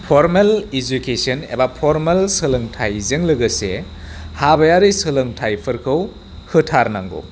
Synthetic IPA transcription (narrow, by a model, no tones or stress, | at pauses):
pʰoɾmelid͡ʒukesɐnḛbapʰoɾmelsɯlɯŋtʰajzeŋlɯɡɐse | habɐjaɾisɯlɯŋtʰajpʰɯɾkʰɯw | hɯtʰaɾnaŋɡo̰